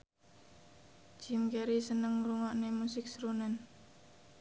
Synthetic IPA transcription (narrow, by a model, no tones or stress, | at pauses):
d͡ʒ̥imkeɾisənəŋruŋɔʔnemusɪk̚sɾunan